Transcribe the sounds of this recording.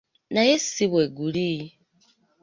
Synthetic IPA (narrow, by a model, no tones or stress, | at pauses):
najesiβweɡuli